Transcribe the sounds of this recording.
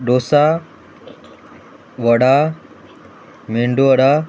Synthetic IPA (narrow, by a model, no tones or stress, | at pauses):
ɖoːsa | ʋəɽa | meɳɖuəɽa